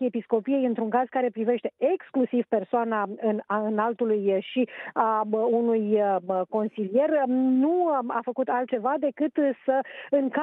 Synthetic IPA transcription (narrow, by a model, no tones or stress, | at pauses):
episko̞pije̞jɨnt̪ɾuŋkaz̥kaɾe̞pɾive̞ʃt̪e̞ʔeksklusivpe̞rsoanaɨnaɨnalt̪ulujʃiaunujmko̞nsilije̞rnua̰fəkut̪alt̪̚t͡ʃe̞vad̪e̞kɨt̪səɨŋka